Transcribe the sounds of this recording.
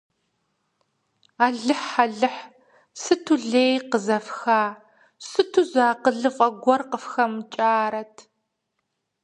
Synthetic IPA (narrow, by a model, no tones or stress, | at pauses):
aːɮɨħaɮɨħ | sɨtʰuɮeːjqəzɐfxaː | sɨtʰuzaːqəɮɨfʼɐɡʷɔrqəfxɐmt͡ʃʼaːɾɐtʰ